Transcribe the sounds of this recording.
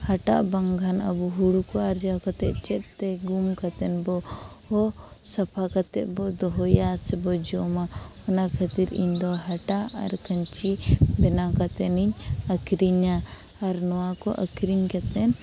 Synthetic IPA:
haʈa̰ʔbaŋɡʱana̰buɦuɽukɔaɾd͡ʒakat̪ɛʔ̚t͡ʃɛt̪̚t̪ɛɡumkat̪ɛnbɔ | hɔsapʰakat̪ɛ̰ʔ̪̚bɔd̪ɔɦɔjasɛbɔd͡ʒɔmaɔnakʰət̪iɾḭɲd̪ɔɦaʈaʔa̰ɾkəɲt͡ʃibɛnakat̪ɛniɲəkɾiɲaː | ɾnɔwakɔʔəkɾiɲkat̪ɛn

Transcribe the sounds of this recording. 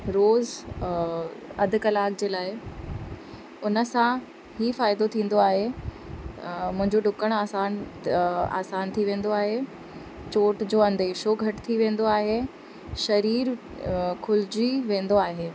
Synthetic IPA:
ɾoːz | ɐd̪ʱʊkɐlaːkd͡ʑeːlaːɪ | ʊnəsã | ɦhifaːɪd̪ot̪ʰĩːn̆d̪oaːɦe | mʊ̃ɦɪ̃ɲd͡ʑoɖʊkəɽ̃aːsaːn | a̰ːsaːnt̪ʰiʋẽːnd̪oaːɦe | t͡ɕoːʈd͡ʑoːɐ̃nd̪eːʃoɡʱɐʈt̪ʰiʋẽːn̆d̪oaːɦe | ʃɐɾiːɾ | kʰʊld͡ʑiʋẽːn̆d̪oaːɦeː

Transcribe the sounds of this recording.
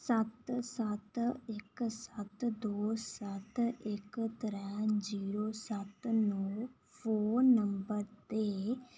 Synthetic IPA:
sət̪sət̪ɪksət̪d̪oːsət̪ɪkt̪əɾɛ̃ːd͡ʒiːɾoːsət̪noː | pʰoːɾnəmbəɾt̪eː

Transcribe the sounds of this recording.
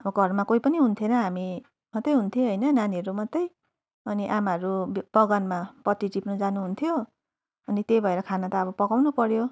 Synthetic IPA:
ʌbʌɡʱʌrmakoipʌniɦunt̪ʰjenʌɦami | mʌt̪ːʌjɦunt̪ʰieɦʌjnʌnaniʌɾumʌt̪ːʌj | ʌniʔamaɦʌɾub̥ʌɡʌnmapʌt̪ːiʈipnud͡zanuɦunt̪ʰijo | ʌnit̪ejbʱʌeɾʌkʰanʌt̪aːbʌpʌkawnupʌɾjo

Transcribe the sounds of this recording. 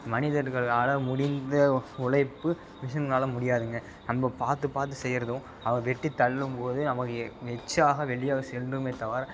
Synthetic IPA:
mɐnɪðɐɾɣɐɭaːlɐmʊɽɪnd̪ɐʊɭɐɪpːɯ | ʋɪʂ̬ɐnnaːlɐmʊɽɪjaːðɯŋɡɐ | nɐmbɐpaːɾt̪ɯpaːɾt̪̬ːɯsɛjːɪɾɐðɯ̃ | ɐʋɐɡɐʋɛʈːit̪ːɐɭːɯmpoːðɯnɐmɐkːɯʋɛt͡ʃːaːɣɐʋɛɭɪjaːɣɐsɛldrɯmeːt̪ɐʋaːɾ

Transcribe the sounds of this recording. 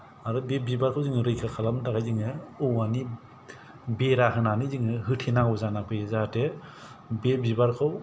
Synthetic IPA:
aɾɯbebibaɾkʰawzɯŋɯɾɯjkʰakʰalamdaɡajziŋɯɔwani | beɾaɦɯnaniziŋɯɦɯtʰinaŋɔzanakɯjzate | bebibaɾkʰaw

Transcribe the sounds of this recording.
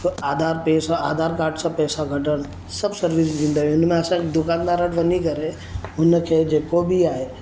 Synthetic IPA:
aːd̪ʱaːɾpɛːsãaːd̪ʱaːɾkaːɾɖsãpɛːsãɡʱɐʈəɽ̃ | səbsəɾʋis̬d͡ʒ̪ĩːnd̪aːɦĩʊnmẽəsãkd̪ʊkaːnd̪aɾəʈʋɐnikɐɾe | ʊnkʰeːd͡ʒeːkobʱiaːɦe

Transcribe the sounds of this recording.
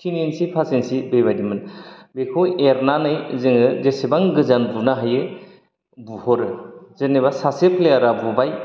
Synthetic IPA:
kʰininsipʰasensibejbajdimɯnbekʰoweɾnanɯjzɯŋɯzesebaŋɡɯzanbunaɦajɯ | buhɔɾɯzeneβasasepleaɾabubaj

